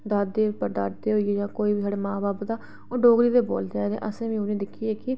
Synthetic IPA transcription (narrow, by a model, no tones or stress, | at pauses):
d̪aːd̪eːpəɾd̪aːɾd̪eːɦoːieːd͡ʒãːkoːiːbiːɦəɽeːmãːbaːpd̪aː | oːɖoːɡɾiːd̪eːbo̰ːld̪eːɛ̃ːd̪ḛ̃ːʔəsẽːʋĩːʊnẽːd̪ɪkʰːieːkɪ